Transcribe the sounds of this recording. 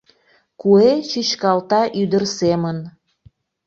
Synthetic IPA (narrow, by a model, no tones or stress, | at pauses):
kuet͡ɕyt͡ɕkɑlt̪ɑʔyd̪ərsemən